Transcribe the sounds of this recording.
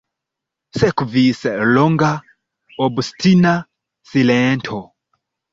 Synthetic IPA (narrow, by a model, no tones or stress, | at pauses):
sɛkuvisɛlɔŋɡa | ɔbustina | silɛntʰɔ